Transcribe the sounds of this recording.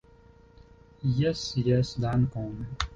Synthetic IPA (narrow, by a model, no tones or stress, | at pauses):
jɛsjɛsd̪ankɔ̃mɛ